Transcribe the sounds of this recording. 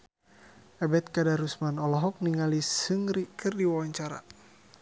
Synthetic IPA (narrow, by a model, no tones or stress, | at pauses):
abɛt̪̚kadaɾusmanɔlɔɦɔk̚niŋalisɨŋɾikɨrdiwawaɲt͡ʃaɾa̰